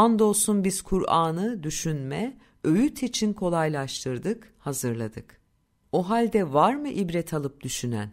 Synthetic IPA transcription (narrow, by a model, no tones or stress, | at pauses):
and̪o̞sunbiz̥kʰuɾʔaːnɯd̪yʃynmɛ | øjyt̪ʰit͡ʃʰinkʰo̞lˠajlˠaʃt̪ʰɯɾd̪ɯkhazɯɾlˠa̰d̪ɯk | oɦalʲd̪ɛvaɾmɯʔibɾɛt̪ʰalˠɯp̚d̪yʃynæ̰n